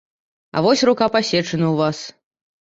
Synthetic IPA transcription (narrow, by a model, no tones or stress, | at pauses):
ɐ̰vɔsʲrukapasʲɛt͡ʂɐnɐwvas